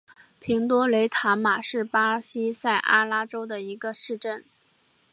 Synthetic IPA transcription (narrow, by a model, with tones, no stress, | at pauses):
pʰi˧˥ŋt̪wɔ˥le˧˥ɪt̪ʰa˧˥nma˨˩ʂɻ̩˥˩pa˥ɕi˥sa˥˩ɪʔa̰˥la˥ʈ͡ʂo˥ʊd̪ə˨i˧˥ɡə˧ʂɻ̩˥˧ʈ͡ʂə˥˩n